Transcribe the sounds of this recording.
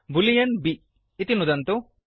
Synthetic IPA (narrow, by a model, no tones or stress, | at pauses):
bulijɐnbi | it̪inud̪ɐnt̪u